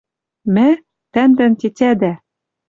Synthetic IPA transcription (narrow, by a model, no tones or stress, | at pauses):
mæ | t̪ænd̪æntʲetʲæd̪æ